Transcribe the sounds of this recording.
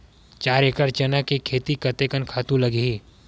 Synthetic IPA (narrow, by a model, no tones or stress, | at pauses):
t͡ʃaːɾekəɾt͡ʃɐnakekʰeːt̪ikɐt̪ekənkʰaːt̪ũlɐɡiː